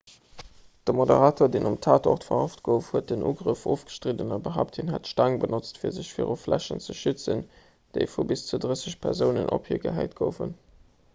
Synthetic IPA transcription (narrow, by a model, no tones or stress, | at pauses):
d̥əmodə̰ʁaːtʰoːɐdeːnʔumtʰaːtʰɔ̰ʁtfɐʁɑftɡ̥əʊfhuət̚d̥ənʔṵːɡʁəfoːfɡ̥ə̥ʃtʁidənɑbəɦaːʊp̚tʰhinɦætʃtaŋbənot͡stfiːɐzəɕfḭːʁoflæ̰ɕə̰nt͡səʃyt͡sən | d̥eɪfubist͡sudʁəsəɕpʰɛʁzəʊnə̰nʔo̰phiːɐɡə̰ɦæ̰ɪt̚ɡ̥oʊfən